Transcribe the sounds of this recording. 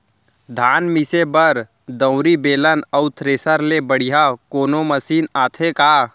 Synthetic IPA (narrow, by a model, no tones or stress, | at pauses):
d̪ʱaːnmisebəɾ | d̪ə̃ʊ̃ɾibeːlənəʊt̪ʰɾeːsəɾlebəɽ̤ijakoːnoməsiːnaːt̪ʰekaː